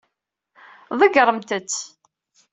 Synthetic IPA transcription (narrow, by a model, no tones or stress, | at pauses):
ðˤəɡɾˤəmt̪ət͡sː